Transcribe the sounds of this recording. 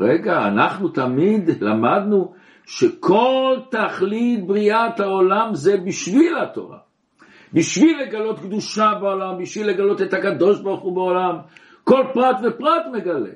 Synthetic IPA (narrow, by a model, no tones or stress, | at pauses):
ʁeɡa̰ːnaχnut̪amid̪lamad̪nu | ʃekʰo̞lt̪aχlit̪̚bʁiat̪aolamzebiʃvilhat̪o̞̰ʁa̰ | biʃvilːeɡalo̞t̪kd̪uʃabeolambiʃvilːe̞ɡalo̞t̪et̪hakad̪o̞ʃbaʁχubeolam | ko̞lpʁat̪vepʁat̪me̞ɡale̞̰